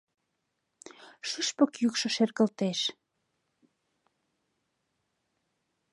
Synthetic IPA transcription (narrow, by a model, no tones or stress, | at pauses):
ʃyʃpəkjykʃŏʃerɣə̆lt̪eʃ